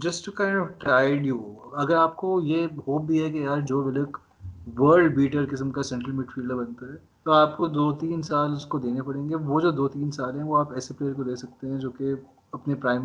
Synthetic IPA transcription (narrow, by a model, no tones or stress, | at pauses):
d͡ʒɐsʈukãːɪ̃ɳɖɔʋʈɾaːɪɖjuɐɡəɾaːp̚kojehoːp̚bʱiɦɛkejaːɾd͡ʒoːʋɪlek | ʋəːɾɖbiːʈəɾkɪs̬əmkasɛ̃ɳʈɾəlmɪʈfiːlɖabɐnt̪aɦɛː | t̪oaːpkod̪oːt̪iːnsaːlʊskod̪eːnepɐɽẽːŋɡeʋod͡ʒoːd̪oːt̪iːnsaːlɦɛ̃ʋoaːpɛːsepleːjəɾkod̪eːsɐk̚t̪eɦɛ̃d͡ʒoːke | ɐpnepɾaːɪm